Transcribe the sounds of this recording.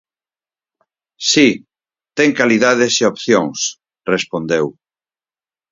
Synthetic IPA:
si | t̪ɛŋkaliðaðeseopθjõŋs | respond̪ew

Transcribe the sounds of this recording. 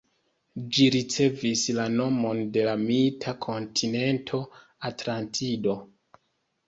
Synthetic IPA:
d͡ʒiɾit͡se̞vislano̞mo̞nde̞lamiltʰakʰo̞ntʰine̞ntʰo̞ | atlantʰido̞

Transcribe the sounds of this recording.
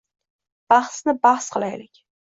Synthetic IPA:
b̥aχsnɪbaχsqʰɨlˠajlɪkʲ

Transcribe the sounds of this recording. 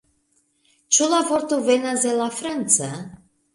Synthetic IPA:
t͡ʃulavɔɾt̪uvenazelafɾant̪sa

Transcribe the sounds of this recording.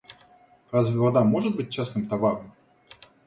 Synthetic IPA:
ɾazvʲɪvɐd̪amo̞ʐɨt̪̚bɨt̚ʲt͡ɕasnɨmt̪ɐvaɾəm

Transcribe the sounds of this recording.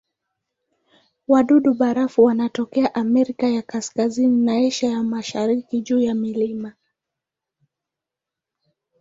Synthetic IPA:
waɗuɗuɓaɾafuwanatɔkɛaʔamɛɾikajakaskazininaɛʃajamaʃaɾikiʄuːjamilima

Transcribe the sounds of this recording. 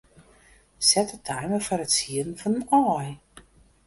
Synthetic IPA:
sɛtətʰɛjməfɔɾətsiənfɔnənɔj

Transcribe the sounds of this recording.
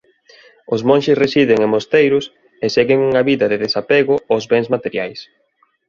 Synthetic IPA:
ʊzmõnʲʃɪsresiðɪŋemost̪ejɾʊs | eseɣɪŋuŋaβiðɐðeðesapeɣʊʊzβɛŋzmat̪eɾjajs

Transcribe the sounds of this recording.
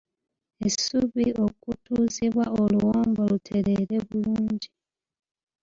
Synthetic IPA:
esuβio̞kutuːziβwao̞luwoːmbolutʰe̞ɾe̞ɾe̞βuluːɲɟi

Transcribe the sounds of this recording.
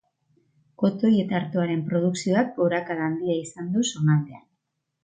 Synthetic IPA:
ko̞t̪o̞je̞t̪aːɾt̪o̞aɾe̞mpɾo̞ð̞uksio̞ak̚boɾakaðaːnd̪iaisand̪uso̞nand̪e̞a

